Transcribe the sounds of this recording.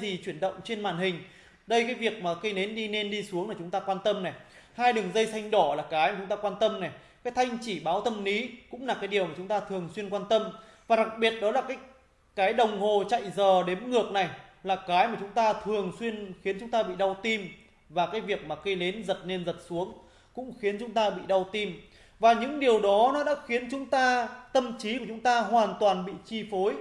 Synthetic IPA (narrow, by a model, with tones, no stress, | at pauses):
zi˨˩t͡ɕwi˧˩ənɗə̰˧˨wŋ͡mt͡ɕe˧nmaː˨˩nhï˨˩ŋ̟ | ɗə˧jkaː˨˦jvi˨˩ək̚maː˨˩kə˧jne˨˦nɗi˧ne˧nɗi˧su˨˦əŋlaː˨˩t͡ɕʊ˨˦ŋ͡mt̪aː˧kwaː˧nt̪ə˧mnɛ˨˩ | haː˧jɗɨ˨˩əŋzə˧jsa˧jŋ̟ɗɔ˧˩laː˨˩kaː˨˦jma˨˩t͡ɕʊ˨˦ŋ͡mt̪aː˧kwaː˧nt̪ə˧mnɛ˨˩ | kaː˨˦jt̪ʰa˧jŋ̟t͡ɕi˧˩ɓaː˨˦wt̪ʰə˧mni˨˦kʊ̰˧˥ŋ͡mlaː˨˩kaː˨˦jɗi˨˩əwmaː˨˩t͡ɕʊ˨˦ŋ͡mt̪aː˧t̪ʰɨ˨˩əŋswi˧ənkwaː˧nt̪ə˧m | vaː˨˩ɗa˨˩k̚ɓi˨˩ət̚ɗɔ˨˦laː˨˩kaː˨˦j̚ | kaː˨˦jɗə˨˩wŋ͡mho˨˩t͡ɕa̰˧˨jzəː˨˩ɗe˨˦mŋɨ˨˩ək̚na˨˩jlaː˨˩kaː˨˦jmaː˨˩t͡ɕʊ˨˦ŋ͡mt̪aː˧t̪ʰɨ˨˩əŋswi˧ənxi˨˦ənt͡ɕʊ˨˦ŋ͡mt̪aː˧ɓḭ˧˨ɗa˧wt̪i˧m | vaː˨˩kaː˨˦jvi˨˩ək̚maː˨˩kə˧jle˨˦nzə˨˩t̚ne˧nzə˨˩t̚su˨˦əŋ | kʊ̰˧˥ŋ͡mxi˨˦ənt͡ɕʊ˨˦ŋ͡mt̪aː˧ɓḭ˧˨ɗa˧wt̪i˧m | vaː˨˩ɲɨ̰˧˥ŋɗi˨˩əwɗɔ˨˦ɗɔ˨˦ɗa̰ː˧˥xi˨˦ənt͡ɕʊ˨˦ŋ͡mt̪aː˧t̪ə˧mt͡ɕi˨˦ku˧˩t͡ɕʊ˨˦ŋ͡mt̪aː˧ɦwaː˨˩nt̪waː˨˩nɓḭ˧˨t͡ɕi˧fo˨˦j